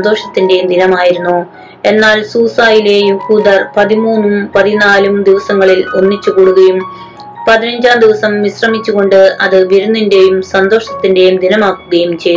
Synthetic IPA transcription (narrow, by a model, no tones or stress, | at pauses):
nd̪o̞ːʂɐt̪ːinde̞jumd̪inɐmaːjiɾunːu | e̞nːaːlsuːsaːjile̞juhuːd̪ɐrpɐðimuːnːumpɐðinaːlumd̪iʋɐsɐŋːɐɭilo̞nːit͡ɕːukoːɽuɣɐjum | pɐðinɐɲd͡ʑaːmd̪iʋɐsɐmʋisrɐmit͡ɕːuɣo̞ɳɖɨɐðɨʋiɾunːinde̞jumsɐnd̪o̞ːʂɐt̪ːinde̞jumd̪inɐmaːkːuɣɐjumt͡ɕe̞j